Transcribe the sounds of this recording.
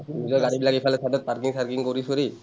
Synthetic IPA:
inizɔjɡaɹibilakepʰalɛsadɔt̪̚paɾkiŋsaɹkiŋkoɾisuɾi

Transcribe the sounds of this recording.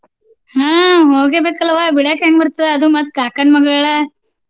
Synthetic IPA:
hãːɦoːɡebeːkɐlːʋabiɽaːkaŋɡbɐɾt̪ɐd̪eɐd̪umɐt̪kaːkɐɳmɐɡɐɭɐɭɐ

